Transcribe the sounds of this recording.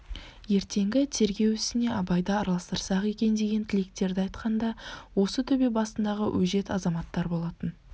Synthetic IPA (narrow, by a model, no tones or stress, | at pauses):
je̞ɾt̪ʰe̞ŋɡʲɪt̪ʰe̞ɾɡʲe̞wɪsɪne̞ɑbɑjd̪ɑːɾɑlˠɑst̪əɾsɑqe̞kʲe̞nd̪e̞ɡʲe̞t̪ʰɪlek̚t̪e̞ɾd̪ɪɑjt̪qɑnd̪ɑwo̞sət̪ʰʏbebɑsənd̪ɑʁəwʔɵʒe̞t̪ɑzɑmɑt̪ːɑɾbo̞lˠɑt̪ən